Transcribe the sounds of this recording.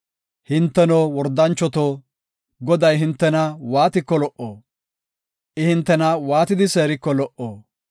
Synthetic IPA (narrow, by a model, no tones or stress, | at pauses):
hɪnt̪ːɛnoːwɔɾd̪ːɐnt͡ʃːɔt̪oː | ɡɔd̪ɐjɦɪnt̪ːɛnɐwaːt̪ɪkːɔlɔʔoː | ʔɪhɪnt̪ːɛnɐwaːt̪ɪd̪ɪse̞ːɾɪkːɔlɔʔoː